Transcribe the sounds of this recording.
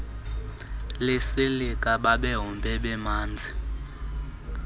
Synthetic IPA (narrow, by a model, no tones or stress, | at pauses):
lesilikʼaɓaɓɛɦɔmbʱɛɓɛmaːnd͡zʱi